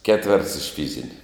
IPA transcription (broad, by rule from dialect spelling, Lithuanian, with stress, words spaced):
ˈkʲæːtʲʋʲɛrts ɪʃ ˈfʲiːzʲɪnʲɪ